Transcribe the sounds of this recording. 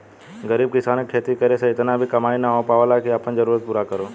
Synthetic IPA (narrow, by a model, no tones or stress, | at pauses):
ɡəɾiːb̚kɪsaːnək̚ʈʰeːt̪ikəɾesãɪt̪nãbʱikɐmaːinaõpaːʋəlakʰiapʰənzəɾuːɾət̪̚puːɾakəɾoː